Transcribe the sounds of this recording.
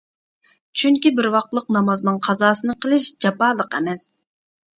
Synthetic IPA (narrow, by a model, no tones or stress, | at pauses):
t͡ʃʰyŋkʲibɪɾwɑq̚t̪lˠəq̚nɑmɑznɨŋqʰɑzɑːsɨnɨqʰəlˠɨʃd͡ʒɑpɑːlˠəqɛmɛs